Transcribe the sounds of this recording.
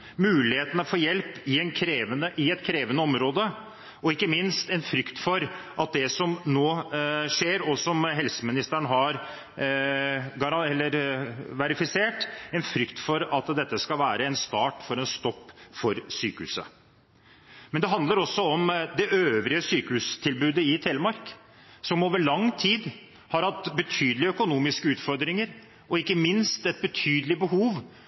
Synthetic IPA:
mʉːlɪheːt̪ənəfɔːjɛlpɪɛnkʰɾeːʋənəʔɪɛt̪kʰɾeːʋənəɔmɾoːd̪ə | ɔɪkːəmɪnst̪ɛnfɾʏkt̪fɔɾʔɑt̪̚d̪ɛsɔmnoːʂeːɾɔsɔmɦɛlsəmɪnɪst̪æɳəɦɑɾ | ɡɑɾɛlːəɾʋæɾɪfɪseːʈɛnfɾʏkt̪fɔɾɑt̪d̪ɛt̪ːəskɑlʋæːɾəɛnst̪ɑːʈfɔɾɛnst̪ɔpːfɔɾsyːkəhʉ̰ːsə̰ | mɛnd̪ɛɦɑnd̪ləɾɔsːɔɔmd̪ɛʔøːʋɾɪəsyːkəʉst̪ʰɪlbʉːd̪əɪt̪ʰɛːləmɑɾk | sɔmoːʋəɭɑŋt̪ʰiːd̪ | hɑɾhɑt̪ːbət̪ʰyːd̪əlɪəœkʊnuːmɪskəʉːt̪fɔɾd̪ɾɪŋəɾ | ɔɪkːəmɪnst̪ɛt̪̚bət̪ʰyːd̪əlɪbəɦuːʋ

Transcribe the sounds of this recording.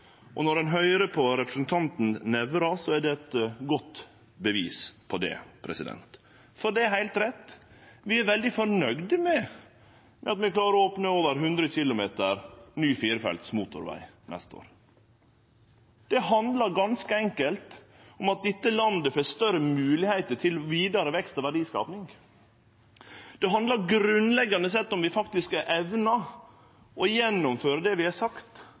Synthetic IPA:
ʔɔ̰nɔɾɛnɦœʏɾəpʰɔɾɛpɾəsn̩t̪ʰɑnt̪n̩nɛʋɾɑsɔæɖɛːt̪ɡɔt̪ | bəʋiːspʰɔd̪ɛ̰pʰɾɛ̰sɪd̪ɛ̰nt̪ | fɔɖɛæhæɪlt̪ɾɛt̪ːʋɪæɾʋɛld̪ɪfɔɾnœɡd̪mɛ | mʔɛɑt̪mɛklɑːɾəɾɔoːpnəoːʋəɾɦʉnd̪ɾəçɪlʊmeːt̪əɾnyːfiːɾfɛ̰lt̪smuːt̪ʊ̰ɾʋæ̰ɪnɛ̰st̪o̰ːɾ | d̪̥ɛɦɑnd̪lɑɾɡɑnskəɛŋkəlt̪ | ʊmɑt̪̚d̪ɪt̪ːəlɑnd̪əfoːst̪œɾəmʉːlɪhæɪt̪əʈʰɪlɔʋiːd̪ɑɾəʋɛkst̪ɔʋæɖiːskɑ̰ːpnɪŋ | d̪̥ɛɦɑnd̪lɑɾɡɾʉnlɛɡːɑnəs̬ɛt̪ːɔmʋɪfɑkt̪ɪskæʔɛʋnɑ | ʔɔjɛnːʊmføːɾəd̪ɛʋɪhɑsɑkt̪

